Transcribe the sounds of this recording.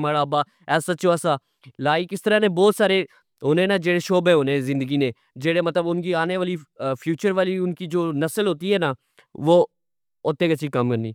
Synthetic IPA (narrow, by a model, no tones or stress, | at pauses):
maːɾaɐbaː | ɛːsat͡ʃoɛːsa | laːikɪst̪əɾanẽbɔːt̪saːɾe | ɦoːnenad͡ʒeːɽeʃoːbeɦoːnẽzɪ̃nd̪əɡinẽ | d͡ʒeːɽemɐt̪ləbʊnkiaːneʋaːlifʰjuːt͡ʃəɾʋaːliʊnkid͡ʒoːnɐsəlɦoːt̪iɦɛːna | ʋoː | oːt̪ẽːkɐt͡ʃʃʰikɐmkəɾniː